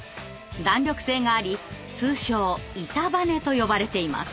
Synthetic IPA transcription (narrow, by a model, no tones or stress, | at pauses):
d̪ãɲɾʲo̞kɯ̟̥sẽ̞ːŋɡaːɾʲi | sɨːɕo̞ːit̪abane̞t̪o̞jo̞baɾe̞t̪e̞ima̰s